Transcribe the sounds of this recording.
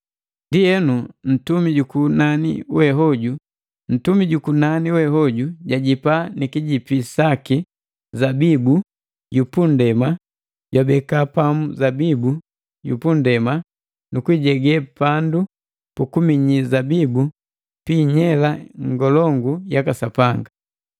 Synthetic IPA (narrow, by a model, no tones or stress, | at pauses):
ndiɛnun̩tumiɟukunanḭwɛɦɔɟu | n̩tumiɟukunaniwɛɦɔɟuɟaɟipanikiɟipisaki | zabibu | jupundɛma | ɟwabɛkapamuzabibu | jṵpundɛma | nukwiɟɛɡɛpandu | pukumiɲizabibu | piːɲɛlaŋɡɔlɔŋɡujakasapaŋɡa